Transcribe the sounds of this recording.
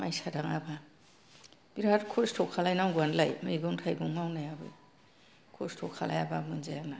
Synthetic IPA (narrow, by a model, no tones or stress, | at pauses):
majsadaŋaba | b̥iɾatkʰɔstʰɔkʰalajnawɡuanlajmɯiɡɔŋtʰajbɯŋmawnajabɯ̰j | kʰɔstʰɔkʰala̰jabamɯnzajana